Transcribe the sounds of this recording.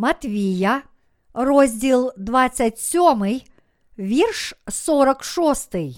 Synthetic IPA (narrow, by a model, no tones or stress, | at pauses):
mɐt̪vʲeja | rozʲdʲelˠd̪vat̪sːətʲsʲomɨj | vʲerʂsoɾəkʂost̪ɨj